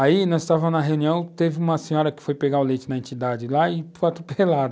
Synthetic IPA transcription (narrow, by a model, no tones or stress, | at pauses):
ainɐ̃ɪst̪avɐ̃m̃nɐɦeũniɐ̃w̃t̪evɪũmɐsẽɲɔɾɐkɪ̥fojpeɡaʊlejt͡ʃɪnɐẽnt͡ʃid̪ad͡ʒɪlaɪfojat̪ɾopelad̪ɐ